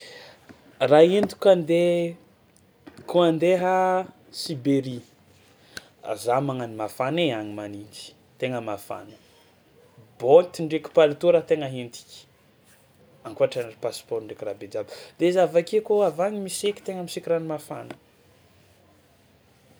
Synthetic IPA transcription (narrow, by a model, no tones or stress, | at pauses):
raind̪u̥kʲand̪e | kʰuand̪eɦə | sibeɾi | zamaŋanimafaneaɲimanind͡ʒi̥ | t̪eŋəmafa̰nə̥ | bont̪iɳɖ͡ʐekʲu̥palit̪uɾat̪eŋəɦint̪i̥kʲi̥ | aŋkuaʈ͡ʂanripaspɔɾiɳɖ͡ʐekirabed͡ʒabi̥d̪̥ezavakekoavaɲimisekʲi̥t̪eŋəmisikiɾanimafa̰nə